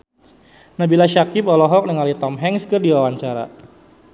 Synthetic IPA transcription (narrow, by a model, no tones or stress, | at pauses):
nabilaʃakipɔlɔɦɔk̚nəŋalit̪ɔmɦɛŋskərdiwawaɲt͡ʃaɾa̰